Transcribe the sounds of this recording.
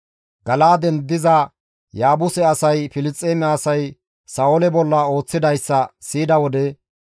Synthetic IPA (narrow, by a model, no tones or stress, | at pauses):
ɡɐlaːd̪ɛnd̪ɪzɐ | jaːbʊsɛɐsɐjfɪlɪt͡sʼːeːmɛɐsɐj | saɔlɛbɔlːɐo̞ːt͡sːɪd̪ɐjsːɐsiːd̪ɐwɔd̪ɛ